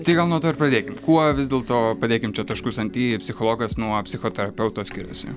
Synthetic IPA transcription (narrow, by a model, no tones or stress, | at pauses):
t̪ɐɪɡɐlˠnuɔt̪oːɪɾprɐd̪ʲeːkʲɪmkuɔʋʲɪzdʲeːlˠt̪oːpɐd̪ʲeːkʲɪmt͡ʃʲɛt̪ɐʃkʊsɐnʲt̪ʲiːpʲsʲɪxoːlˠoːɡɐsnuɔpʲsʲɪxoːt̪ʲɛɾɐpʲɛʊt̪osʲkʲɪɾʲʊ̰sʲɪ̰